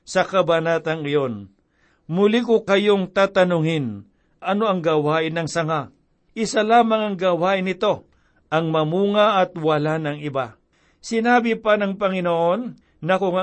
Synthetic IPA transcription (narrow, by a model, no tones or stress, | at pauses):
sɐkɐbɐnaːt̪ɐŋɪjo̞n | mʊlikʊkɐjo̞ŋt̪aːt̪ɐnʊŋɪn | ʔɐno̞ɐŋɡawaːʔɪnɐŋsɐŋa | ʔɪsalaːmɐŋɐŋɡawaːʔɪnɪt̪o̞ | ɐŋmɐmuːŋɐʔɐt̪wɐlanɐŋɪba | sɪnaːbɪpɐnɐŋpɐŋɪnoʔonː | ɐkʊŋɐ